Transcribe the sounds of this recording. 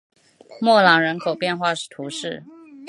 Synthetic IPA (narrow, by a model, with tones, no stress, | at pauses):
mwɔ˥˩lɑ˧˥ŋɻə˧˥nkʰo˨˩ʊpjɛ˥˧nxwa˥˧ʂɻ̩˥˩t̪ʰu˧˥ʂɻ̩˥˩